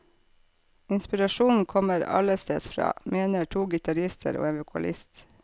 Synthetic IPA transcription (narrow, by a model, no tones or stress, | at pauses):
ɪnspɪɾɑʃuːn̩kʰɔməɾɑ̰ləst̪ḛːsfɾɑ̰ːmeːnəʈʰuːɡɪt̪ɑɾɪst̪ʰə̰ɾo̰ːeʋʊkʰɑ̰lʔɪst̪